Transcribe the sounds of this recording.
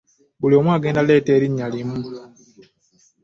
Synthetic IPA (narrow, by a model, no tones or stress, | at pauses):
bulio̞mwaːɡeːndaleːteːɾiɲːalimu